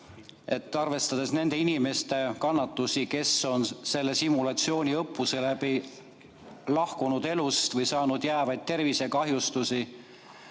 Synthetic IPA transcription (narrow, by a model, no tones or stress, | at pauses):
e̞t̪ːˑɑrve̞st̪ɑd̪̥e̞sne̞nd̪̥e̞inime̞st̪e̞kɑnːɑt̪ːˑusike̞so̞nse̞lːe̞simulɑt̪sio̞ːnʲiɤpːuse̞læbi | lɑhkunud̪e̞lust̪vɤjsɑːnud̪̥jæːvɑjd̪̥̚t̪e̞rvise̞kɑɦjust̪usi